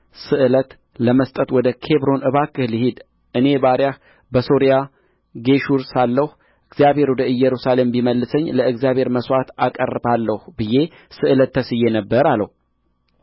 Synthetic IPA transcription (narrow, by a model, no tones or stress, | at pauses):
sɨʔɨlət̪ | ləməst̪ʼət̪wɔd̪əkʰe̞βɾo̞nʔɨβakʰːɨhlɨhid̪ | ʔɨne̞baɾjah | bəso̞ɾija | ɡe̞ʃuɾsalːəh | ʔɨɡzjaβhe̞ɾwɔd̪əɨjɛɾusale̞mbiməlːɨsəɲːləɨɡzijaβhe̞ɾməswat̪akʼə̰rəbalːəhbɨje̞ | sɨʔɨlət̪ʰːəsɨjːenəbːəɾaləhu